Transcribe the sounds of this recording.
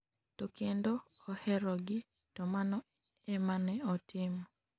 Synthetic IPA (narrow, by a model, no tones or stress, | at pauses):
tokendoːhɛɾɔɡɪ | tɔmanɔ | ɛmanɛɔtʰɪm